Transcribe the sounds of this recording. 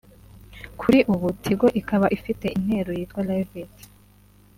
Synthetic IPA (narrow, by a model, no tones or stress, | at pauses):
kʰuɾiʔuβutʰiɡoʔikaβaʔifite̞ʔin̥he̞ɾojiːtɡwalavet